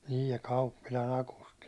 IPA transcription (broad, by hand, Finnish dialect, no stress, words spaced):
niːj jɑ kɑupːilɑn ɑkusti